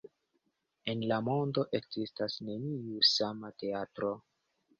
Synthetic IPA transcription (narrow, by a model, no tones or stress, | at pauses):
e̞nlamo̞ndo̞ʔe̞kzistasne̞niusamate̞atɾo̞